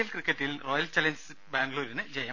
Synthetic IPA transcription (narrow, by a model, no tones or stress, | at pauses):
ilkrikːɐʈːilroːjɐlt͡ɕɐlɐɲsɨbaːŋɡɭoːɾinɨd͡ʑejɐ